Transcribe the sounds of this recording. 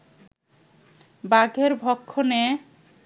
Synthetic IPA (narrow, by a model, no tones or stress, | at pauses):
baɡʱeɾbʱɔkʰːone